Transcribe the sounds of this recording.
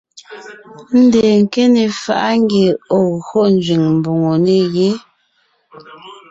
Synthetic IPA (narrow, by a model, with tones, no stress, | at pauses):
n̩˦de˨ŋ̩˨ke˦ne˨fa˨ʔa˦ŋ˦ɡe˨o˨ɣho˦n˨d͡ʒɥi˨ŋm̩˨bo˨ŋo˨ne˦je˦